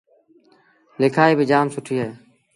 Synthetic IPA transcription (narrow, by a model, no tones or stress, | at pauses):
lɪkʰaːiːbiːd͡ʒaːmsʊʈʰiːɦeː